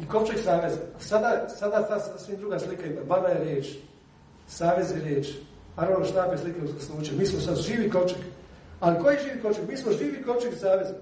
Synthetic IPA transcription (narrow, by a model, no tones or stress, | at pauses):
ikopt͡ʃeksaːʋe̞zsad̪asad̪at̪asasʋid̪ɾuɡaslikaimabanajeɾjeːt͡ʃ | saːʋe̞zjeɾjeːt͡ʃ | paɾaʋnoʃt̪aːpeslikeuzkaslˠuːt͡ʃemiːsmosad̪ʒiːʋikopt͡ʃekalikojiʒiːʋikopt͡ʃekmiːsmoʒiːʋiko̞pt͡ʃeksaːʋez